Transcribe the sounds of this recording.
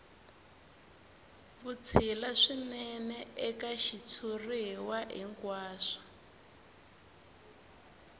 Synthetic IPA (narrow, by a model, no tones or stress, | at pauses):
βut͡sʰilaʂinɛnɛɛkaʃit͡sʰuriɦwaɦḭŋkwaːʂḁ